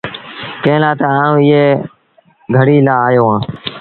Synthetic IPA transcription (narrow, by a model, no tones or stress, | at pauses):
kẽːlaːt̪aãːũːɪːɦeː | ɡʱəɽiːlaːjoːɦãː